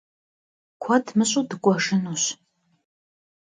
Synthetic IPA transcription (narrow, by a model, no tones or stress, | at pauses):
kʷʰɐdmɨɕʼudɨkʷʼɔʂɨnuːɕ